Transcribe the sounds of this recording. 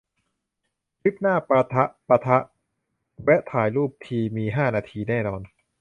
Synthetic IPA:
li˦˥p̚naː˥˩pa˧t̪ʰa˦˥ʔpa˧t̪ʰa˦˥ʔ | wɛ˦˥t̪ʰaː˩˦jluː˥˩p̚t̪ʰiː˧miː˧ɦaː˥˩naː˧t̪ʰiː˧nɛː˥˩nɔː˧n

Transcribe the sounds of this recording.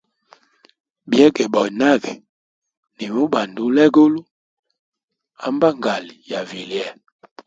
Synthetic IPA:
bjɛ˦ɡɛ˨bɔ˨i˨na˦ɡi˨ | ni˨mu˦ba˨ndu˨˦lɛ˦ɡo˦lu˦ | a˦mba˦ŋɡa˨li˨ja˨vi˨li˨ɛ˦˨

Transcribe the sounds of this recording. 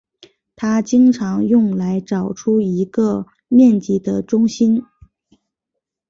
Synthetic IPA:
t̪ʰa˥t͡ɕi˥ŋʈ͡ʂʰɑ˧˥ŋjʊ˥˩ŋla˧˥ɪʈ͡ʂɑ˨˩ʊʈ͡ʂʰu˥i˧˥ɡə˧ | mjɛ˥˩nt͡ɕi˧˩d̪ə˧ʈ͡ʂʊ˥ŋɕi˥n

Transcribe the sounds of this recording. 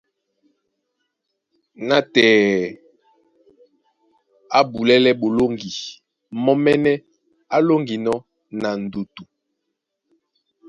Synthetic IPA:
na˦tɛː˨ | a˦bu˨lɛ˦lɛ˦ɓo˨lo˦ŋɡi˨ | mɔ˦mɛ˦nɛ˦ | a˦lo˦ŋɡi˨nɔ˦ | na˨n˨du˨tu˨

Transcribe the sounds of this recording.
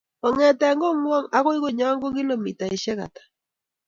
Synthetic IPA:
ɔ˨ŋɛ˨ta˨a˨ŋɡo˦ŋwa˦ŋa˦ɣo˦i˦ɣo˦˨ɲa˦ŋɡo˦ki˦lo˨mi˨ta˨e˨ʃɛ˦ɣa̰˨tḁ˨

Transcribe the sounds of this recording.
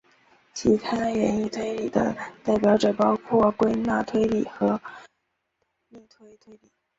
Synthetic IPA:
t͡ɕʰi˧˥k̪ʰa˥˩ɥɛ˧˥ni˥˩t̪ʰwe˥ɪli˨˩d̪ə̰˦t̪a˥˩ɪpjɑ˧˥ʊʈ͡ʂɤ˨˩pɑ˥ʊkʰwɔ˥˩kwe˥ɪna˥˧t̪ʰwe˥ɪli˨˩xɤ˧˥ | ni˥˩t̪ʰwe˥ɪt̪ʰwe˥ɪli˨˩

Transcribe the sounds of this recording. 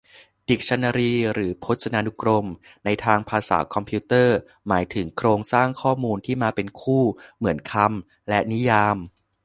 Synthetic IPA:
di˨˩k̚t͡ɕʰa˧nːaː˧ɾiː˧ɾɯː˩˦pʰo˦˥t̪̚sʰa˧naː˧nu˦˥kɾo˧mna˧jt̪ʰaː˧ŋpʰaː˧sa̰ː˩˦kʰɔ˧mpʰiː˦˥t̪ɤː˥˩ | maː˩˦jt̪ʰɯ˩˦ŋkʰɾoː˧ŋsaː˥˩ŋkʰɔː˥˩muː˧nt̪ʰiː˥˩maː˧pe˧nkʰuː˥˩mɯ˩˦ənkʰa˧m | lɛ˦˥ni˦˥jaː˧m

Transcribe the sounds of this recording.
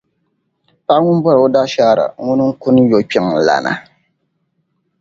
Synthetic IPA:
pa˦ŋu˦n˦bɔ˦ɾo˦da˦ʃaː˦˨ɾa̰˨ŋu˦nɨ˦ŋ̩˦ku˦n˦jo˨˦k͡pɛ˦ŋ˨la̰˨nʔa̰˨

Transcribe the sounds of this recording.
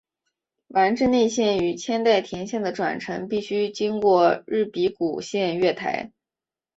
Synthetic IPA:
wa˧˥nʈ͡ʂɻ̩˥˧ne˥˧ɕjɛ˥˩ny˨˩t͡ɕʰjɛ˥nt̪a˥˩ɪt̪ʰjɛ˧˥nɕjɛ˥˩nd̪ə˩ʈ͡ʂwa̰˨˩nʈ͡ʂʰɤ˧˥ŋpi˥˩ɕy˥t͡ɕi˥ŋkwɔ˥˧ɻɻ̩˥˩pi˧˥ku˨˩ɕjɛ˥˧nɥɛ˥˩t̪ʰa̰˧˥ɪ

